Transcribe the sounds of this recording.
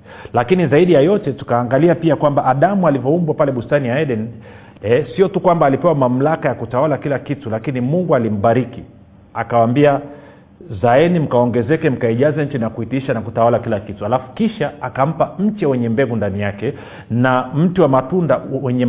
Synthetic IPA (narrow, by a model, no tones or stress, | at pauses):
lakinizaiɗijajɔtɛtu̥kaːŋɡaliapiakwambaʔːɗamualivɔumbwapalɛɓustaniaɛɗɛn | ɛsiɔtukwambaːlipɛwamam̩lakajakutawalakilakitulakinimuŋɡualim̩ɓaɾiki | akawambia | zaɛnim̩kawɔŋɡɛzɛkɛm̩kaiʄazɛɲ̩t͡ʃinakuitiʃanakutawalakilakituhalafu̥kiʃaakam̩pam̩t͡ʃɛwɛɲɛmbɛɡundanijakɛ | nam̩tiwamatundawɛɲɛ